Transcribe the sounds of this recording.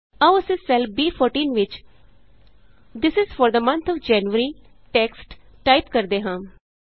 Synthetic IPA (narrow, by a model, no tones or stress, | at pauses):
aəsẽsɛlbiːpʰoːɾʈĩːnʋɪt͡ʃ | d̪ɪsɪzfɔːɾd̪əmə̃nt̪ʰɔːʋd͡ʒɛːnʋəɾiː | ʈɛːksʈ | ʈaːɪpkəɾd̪eːɦãː